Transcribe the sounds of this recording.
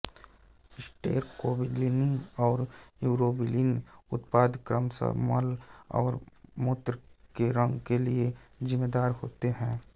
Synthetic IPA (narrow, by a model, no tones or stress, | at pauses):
ɪsʈeːɾkoːbɪɖlinɪ̃ŋɔːɾjuːɾoːbilinʊt̪paːd̪kɾəmsə̰mə̰lɔ̰ːɾmʊt̪ɾkeɾə̃ŋɡkeliezɪmːeːd̪aːɾhoːt̪eɦɛ̃ː